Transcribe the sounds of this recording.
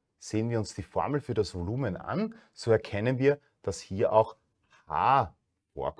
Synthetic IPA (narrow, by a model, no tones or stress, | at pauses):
z̥eːənviːɐʊnsd̥iːfɔɐml̩fyːɐdasv̥oluːmənʔa̰n | z̥oːɛɐkʰɛnənviːɐ | d̥ashiːɐʔaʊx | ha̰ː | fo̰ːɐk